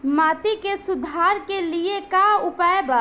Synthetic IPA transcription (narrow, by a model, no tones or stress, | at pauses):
maːt̪ikesud̪ʱaɾkeliekaupaeba